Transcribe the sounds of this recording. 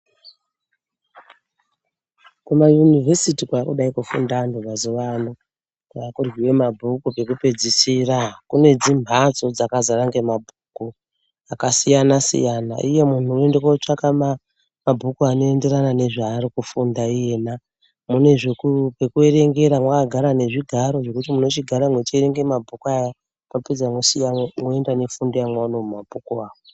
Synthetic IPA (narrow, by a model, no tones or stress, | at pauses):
kumajunivʱesitikaakuɗaikufṵndanubʱazoʋano | kwaakurwiwe̞mabʱukupe̞kupe̞d͡zisirakune̞d͡zimbʱat͡so̞d͡zakazaraŋɡemabʱuku | akasijanasḭjana̰ʔije̞mun̤ue̞ndekot͡ʂakama | mabʱukuano̞e̞nde̞ɾanane̞ʐaːɾikufundaije̞na | mune̞ʐekupe̞kue̞ɾe̞ŋɡe̞ɾamwakaɡʱaɾane̞ʐiɡʱaɾo̞ʐe̞kutimuno̞t͡ʃiɡʱaɾamwe̞t͡ʃieɾe̞ŋɡe̞mabʱukuaja | maped͡zaŋwosiamwoe̞ndane̞fundijamwanomumabʱukuaːwo